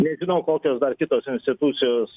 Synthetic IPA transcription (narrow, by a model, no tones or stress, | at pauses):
nʲɛʒʲɪnɐʊkoːkʲoːsd̪ɐrkʲɪt̪oːsɪnʲsʲt̪ʲɪt̪ʊt̪sʲɪjoːs